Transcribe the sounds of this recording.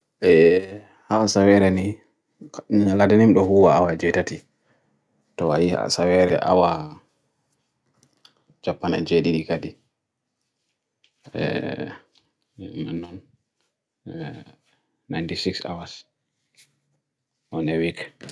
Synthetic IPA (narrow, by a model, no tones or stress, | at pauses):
ʔɛ | hawasawɛɾɛni | ladanimɗɔhuwaawad͡ʒɛtati | tɔa̰jia̰sawɛɾɛ̰ʔa̰wa | d͡ʒapːanɛ̰d͡ʒeɗiɾikadi | ɛ̰ | manːɔn | ajntisiksa̰was | ʔɔnɛwik